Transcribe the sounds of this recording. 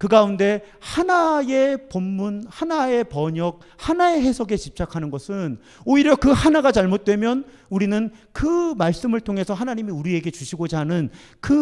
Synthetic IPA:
kɯɡaunde̞ | hanae̞pomːunhanae̞pʌɲʌk̚ | hanae̞ɦe̞sʰoɡe̞t͡ɕip̚t͡ɕ͈akʰanɯnɡʌsʰɯn | oiɾjʌkɯhanaɡat͡ɕaɭmot̚t͈we̞mjʌn | uɾinɯn | kɯmaɭs͈ɯmɯɭtʰoŋɦe̞sʰʌɦanaɲimiuɾie̞ɡe̞t͡ɕuɕʰiɡod͡ʑanɯn | kɯ

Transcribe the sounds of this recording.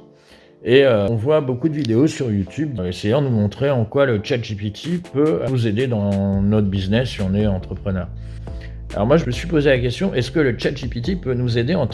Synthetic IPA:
eøɔ̃vwabokud̪əvid̪eosyʁjut̪ʰyb̚d̪esejɑ̃d̪numɔ̃t̪χeɑ̃kwalət͡ʃat̪ʒipit̪ʰipøuzed̪ed̪ɑ̃nɔt̪χbiznɛsːiɔ̃nɛɑ̃t̪χəpχənœːʁ | a̰lɔ̰ʁmwaʒəməsɥipozelakʲɛst̪jɔ̃ʔɛskələt͡ʃat̪̚ʒipit̪̬ipønuzed̪eɑ̃t̪

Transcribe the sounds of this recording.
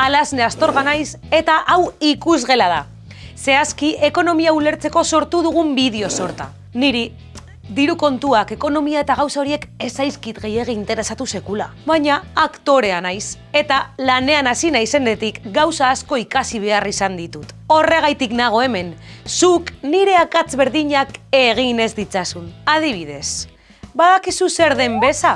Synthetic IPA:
alazne̞ast̪o̞ɾɣanajse̞t̪aʔawikuzɣe̞lað̞a | se̞askie̞ko̞no̞miaule̞ɾt͡se̞ko̞so̞ɾt̪uð̞uɣ̞umbið̞eo̞so̞ɾt̪a̰ | niɾi | d̪iɾuko̞nt̪uake̞ko̞no̞miae̞t̪aɣ̞awsao̞ɾie̞ke̞sajskit̪ɣe̞jeɣeint̪e̞ɾe̞sat̪use̞kulaβajɲaːkt̪o̞ɾe̞anajs | e̞t̪alane̞anasinajse̞ne̞t̪ikɡawsaːsko̞ikasiβ̞e̞arisand̪it̪ut̪o̞re̞ɣ̞ajt̪iknaɣ̞o̞e̞me̞nsukniɾe̞akat͡sβe̞ɾðiɲake̞ɣ̞ine̞zd̪it͡sasunað̞iβ̞iðe̞s | baðakisuse̞ɾðe̞mbe̞sa

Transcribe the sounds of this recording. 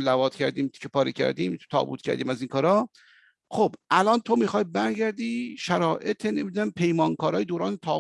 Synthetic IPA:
lævɒːt̪cʰæɾd̪iːmʰʲepʰɒːɾicʰæ̰ɾd̪ḭːmt̪ʰt̪ʰɒ̰ːbṵt̪̚cʰæ̰ɾd̪iːmæziŋkʰɒːɾɒː | χobʔælɒːnt̪ʰomiːxɒːjbæɾɟæɾd̪iːʃæɾɒːʔet̪ʰenemid̪unæmpʰe̞jmɒːnkʰɒːɾɒːjed̪oːɾɒːnet̪ʰɒː

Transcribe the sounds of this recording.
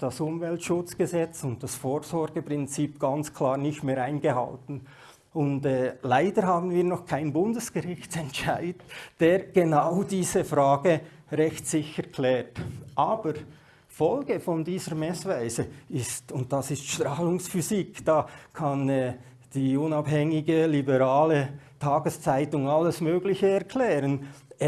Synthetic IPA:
d̥asʊmvɛltʃʊt͡sɡ̥əzɛt͡sʊnt̚d̥asfoːɹzɔɾɡəpʁɪnt͡siːpɡ̥ɑnt͡skʰl̥aːɾnɪçtmeːɾaɪnɡəhɑ̰ltn̩ | ʊntɛːlaɪdəɾɦaːbn̩viːɾnɔχkʰaɪnbʊndəsɡ̥əʁɪçtt͡sɛntʃaɪdəd̥eːɾɡ̥enaʊd̥iːzəfɾaːɡə | ɾɛçtsɪçəɾkʰlɛːtʔaːb̥əɾ | fɔlɡəfɔndiːzəɾmɛsvaɪzəɪstʊntd̥ɑsɪstʃtɾaːlʊŋsfyzikd̥aːkʰɑnɛː | d̥iːʊnabhɛŋɪɡəlibəɾaːlətʰaːɡəst͡saɪtʊŋalːəsmøːɡlɪçəɛɾkʰl̥ɛːɾən

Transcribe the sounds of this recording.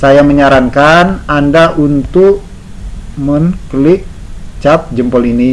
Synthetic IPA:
sajaməɲaɾaŋkanandaʔunt̪ʊk | məŋkəlɪk̚ | t͡ʃap̚d͡ʒəmpɔlini

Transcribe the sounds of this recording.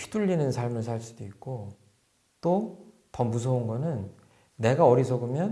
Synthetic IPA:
pʰi̥duʎːinɯnsʰaɭmɯɭsʰaɭs͈udoik̚k͈o | t͈o | tʌmus̬ʰʌunɡʌnɯnː | e̞ɡaʌɾisʰʌɡɯmjʌn

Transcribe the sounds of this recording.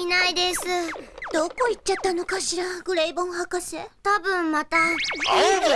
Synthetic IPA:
inaid̪e̞sɨd̪̥o̞ko̞it͡ɕːat̪ːano̞kaɕiɾaɡɯ̟ɾe̞ibõ̞ŋɦakaset̪abɯ̟̃mmat̪a

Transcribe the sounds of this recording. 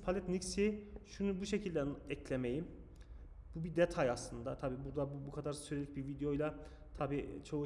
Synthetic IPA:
pʰalʲɛt̪nicsiʃunubuʃecʰilʲd̪ɛnɛcʰlʲemejim | bubid̪ɛt̪ʰajaslˠɯnd̪at̪ʰabiːbuɾd̪abubukʰad̪aɾsyɾelʲic̚bivid̪ejo̞jlˠa | t̪ʰabiːt͡ʃʰo

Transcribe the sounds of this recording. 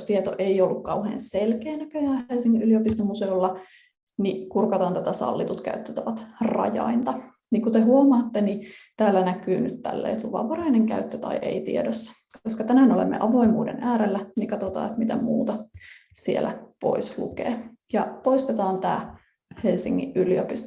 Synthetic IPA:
st̪iet̪o̰ʔeiolːukkɑuhḛːnselkeːnækøjæːhelsiŋːiʔyliopist̪omuseulːɑ | nikurkɑt̪ɑːnt̪æt̪æsɑ̰lːit̪ut̪kæ̰yt̪ːøt̪æʋɑt̪rɑ̰jɑ̰int̪ɑ | nikut̪eɦuomɑːt̪ːenit̪æːlːænækyːnyt̪t̪æ̰lːḛːjt̪uʋɑ̰ʋɑrɑineŋkæ̰yt̪ːøt̪ɑ̰iʔḛit̪ḭedøsːæ̥ | oskɑt̪ænænolḛmːḛʔɑʋo̞imuːdḛnæːɾelːænikɑt̪ot̪ɑ̰ːet̪mit̪æmṵːt̪ɑsielæ̰po̞̰islṵkḛː | jɑpo̞ist̪et̪ɑːnt̪æ̰ː | helsiŋːḭʔʔyliopist̪

